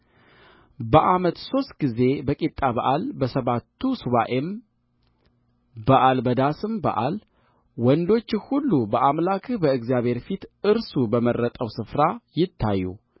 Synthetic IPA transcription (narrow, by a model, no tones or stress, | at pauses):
bəʔamət̪so̞st̪ɡize̞bəkʼit̪ʼːaβaʔalbəsəβat̪ʰːusɨβaʔem | baʔalbəd̪asɨmba̰ʔal | wɔnd̪o̞t͡ʃːɪhulːubəʔamlakʰɨbəɨɡzjaβhe̞ɾfit̪ɨɾsubəmərːət̪ʼəwsɨfɾajɪt̪ʰːa̰jːṵ